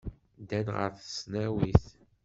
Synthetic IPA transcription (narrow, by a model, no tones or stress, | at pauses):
d̪ænʁə̰ɾθəsnæwiθ